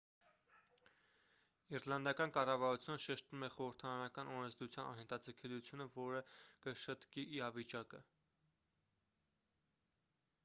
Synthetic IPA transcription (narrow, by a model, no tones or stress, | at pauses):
iɾlɑnd̪ɑkɑnkɑrɑvɑɾut͡sʰjunəʃɛʃt̪umɛχɔɾəɾt̪ʰɑɾɑnɑkɑnɔɾɛnzd̪ut͡sʰjɑnɑ̰nɦɛnt̪ʰɑd͡zəkʰɛlut͡sʰjunəvɔɾəkəʃət̪kiʔːɾɑvit͡ʃɑkə